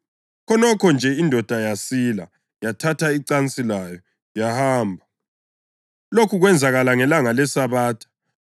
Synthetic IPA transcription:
kʰɔnɔkʰɔnd͡ʒʱɛindʱɔd̥ʱajasila̰ | jatʰatʰaiǀant͡sʼilajɔ | jahaːmbʱa | lokʰuɣwɛnd͡zʱaɣalaŋɛlaŋalɛsaβaːtʰḁ

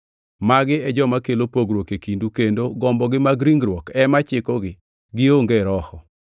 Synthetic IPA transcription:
maɡɪɛd͡ʒɔmakelopoɡɾwokekindukendoɡɔmbɔɡɪmaɡɾiŋɡɾwɔkɛmat͡ʃɪkɔɡɪ | ɡɪoŋɡeɾɔhɔ

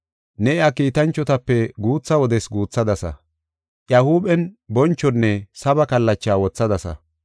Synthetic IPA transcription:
nɛɪakiːt̪ɐnt͡ʃːɔt̪ɐpːɛɡuːt͡sːɐwɔd̪ɛsɡuːt͡sːɐd̪ɐsɐ̰ | ʔjahuːbɛnbɔnt͡ʃːɔnːɛsɐbɐkɐlːɐt͡ʃːaːwɔt͡sːɐd̪ɐsɐ̰

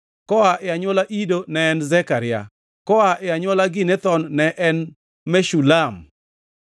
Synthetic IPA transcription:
kɔaʔɪaɲwɔlaʔidonɛːnzɛkaɾɪa̰ | kɔaʔɛaɲwɔlaɡɪnɛt̪ɔnnɛʔɛn | mɛʃulam

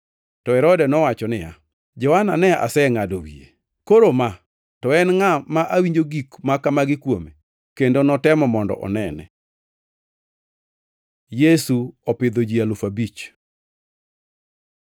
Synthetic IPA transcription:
tɔɛɾɔdɛnɔwat͡ʃɔnɪja̰ | d͡ʒɔhananɛa̰sɛŋadowḭḛ | koɾoma | tɔɛnŋamaʔawiɲd͡ʒoɡikmakamaɡɪkwome | kendonɔtɛmɔmɔndɔ̰ʔɔ̰nɛnɛ̰ | jesuɔpɪd̪od͡ʒialʊfabit͡ʃ

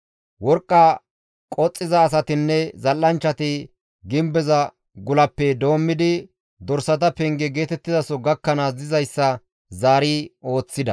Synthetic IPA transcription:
wɔɾkʼːa | kʼɔt͡sʼːɪzɐːs̬ɐt̪ɪnːɛzɐlːɐnt͡ʃːɐt̪ɪ | ɡɪmbɛzɐ | ɡʊlɐpːɛd̪o̞ːmːɪd̪ɪ | d̪ɔɾsɐt̪ɐpɛŋɡɛɡe̞ːt̪ɛt̪ːɪzɐsɔɡɐkːɐnaːsdɪzɐjsːɐ | zaːɾiːo̞ːt͡sːɪd̪ɐ

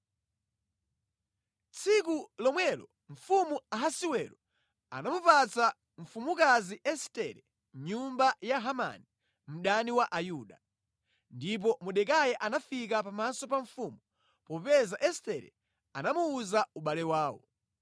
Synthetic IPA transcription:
t͡sʰikulɔmwɛlɔ | ɱ̩fumuaɦasiwɛɾɔ | a̰namupat͡sa | ɱ̩fumukaziʔɛstɛɾɛ | ɲumbajaɦama̰ni | m̩ɗaniwaʔajuɗa | ndip̬ɔmuɗɛkajɛʔanafik̬apamasɔpaɱfumu | pɔpɛzaʔɛstɛɾɛ̰ | anamuːzauɓalɛwaːwɔ̰

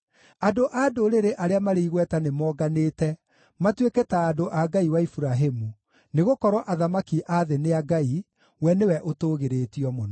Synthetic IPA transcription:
adoʔaːdoɾeɾeʔaɾeamaɾeiɣwɛtanemɔːɡaneːtɛ | matweketaːdoʔaɡaiwaifuɾaɦemu | neɣokɔɾwɔʔaðamakiʔaðeneaɡai | wɛnewɛʔotoːɣeɾeːtiɔmonɔ

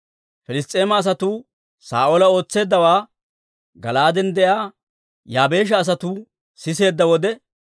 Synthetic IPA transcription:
fɛlɪst̪ʼːe̞ːmɐːs̬ɐt̪uː | sa̰ːʔolɐo̞ːt͡sːe̞ːd̪ːɐwaː | ɡɐ̰laːd̪ɛnd̪ɛjaː | jaːbe̞ːʃ̬ɐːs̬ɐt̪uː | sɪse̞ːd̪ːɐwɔd̪ɛ

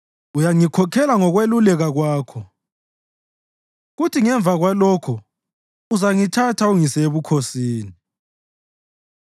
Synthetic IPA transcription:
ujaŋikʰɔkʰɛlaŋɔɣwelulɛɣaɣwaːkʰɔ | ɣutʰiŋɛɱvʱaɣwalɔkʰɔ | uzaŋitʰatʰauŋiseβukʰosiːni

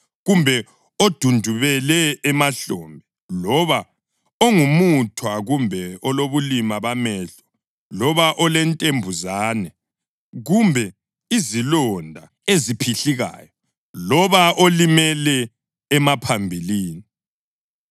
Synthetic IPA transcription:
ɣumbʱɛ | od̥ʱundʱuβɛlɛːmaɬɔmbʱɛ | lɔβa | oŋumutʰwaɣumbʱɛɔloβulimaβamɛːɬɔ̥ | lɔβaʔɔlɛntʼembʱuzaːnɛ | ɣumbʱɛ | izilɔndʱa | ezipʰiɬiɣa̰ːjɔ | lɔβaʔolimɛlɛː | mapʰambʱiliːni

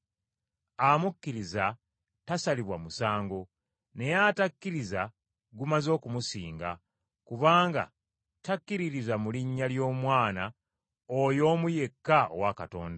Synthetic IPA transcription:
amukːiɾiza | tasaliβwamusaːŋɡo̞ | ne̞jatakːiɾiza | ɡumazo̞ːkumusiːŋɡa̰ | kuβaːŋɡa̰ | takːiɾiɾizamuliɲːaljo̞ːmwaːna | ojo̞ːmuje̞kːao̰wakato̞̰ːnda

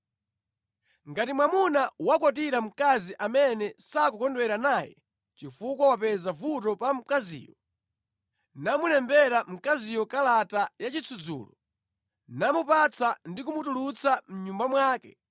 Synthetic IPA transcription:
ŋɡatimwamunawakwɔt̬iɾam̩kaziʔamɛnɛsak̬ɔkɔndwɛɾanaːjɛ̰ | t͡ʃifukwawapɛzavutɔpam̩kazḭːjɔ | namulɛmbɛɾam̩kazijɔkalatajat͡ʃit͡sʰud͡zṵːlɔ̰ | namupat͡sandik̬umutulut͡sam̩ɲumbamwaːkɛ

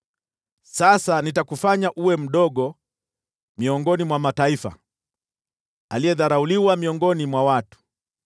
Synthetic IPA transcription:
sasanitakufaɲaʔuwɛm̩ɗɔɠɔ | miɔŋɡɔnimwamataifa̰ | alijɛðaɾauliwamiɔŋɡɔnimwawatu̥

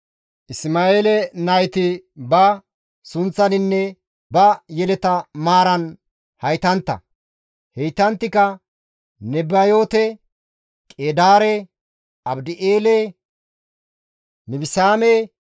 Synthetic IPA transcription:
ʔɪsmaːeːlɛnɐjt̪ɪbɐ | sʊnt͡sːɐnɪnːɛ | bɐjɛlɛt̪ɐmaːɾɐn | hɐjt̪ɐnt̪ːɐ̰ | hɛjt̪ɐnt̪ːɪkɐ | nɛbɐjo̞ːt̪ɛ | kʼeːd̪aːɾɛ | ɐbd̪ɪʔeːlɛ | mɪbɪsaːme

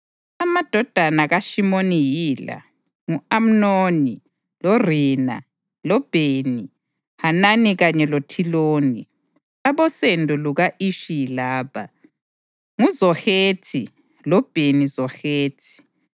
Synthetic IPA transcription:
amad̥ʱɔd̥ʱanaɣaʃimonijiːla̰ | ŋuam̩noni | lɔriːna̰ | lɔb̥ʱeni | hananiɣaɲɛlotʰiloːni | aβɔsendʱuluɣaʔiʃilaːpʰa | ŋuzɔxeːtʰi | lɔb̥ʱenizɔxeːtʰi̥

